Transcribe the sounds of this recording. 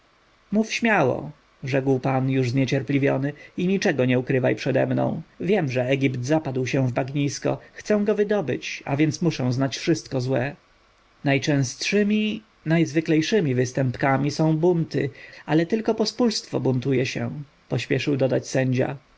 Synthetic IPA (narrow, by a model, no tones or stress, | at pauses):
mufɕmʲjawɔ̰ | ʐɛkwpanjuʐzɲet͡ɕɛɾplʲivʲjɔnɘiɲit͡ʂɛɡɔɲɛukɾɘvajpʂɛd̪ɛ̰mnɔ̰̃w̃vʲjɛmʐɛɛɡʲipt̪zapad̪wɕɛw̃vbaɡɲiskɔ̰xt̪sɛw̃ɡɔvɘd̪ɔbɘ̰t͡ɕa̰vʲjɛnt̪smuʂɛ̃w̃znat͡ɕfʂɘst̪̚kɔzwɛ | najt͡ʂɛ̃w̃st̪ʂɘmʲi | najzvɘklɛjʂɘmʲivɘst̪ɛmpkamʲisɔ̃w̃bunt̪ɘalɛt̪ɘlkɔpɔspulst̪fɔ̰bunt̪ujɛɕɛ̰ | pɔɕpʲjɛʂɘwd̪ɔd̪at͡ɕsɛɲd͡ʑa̰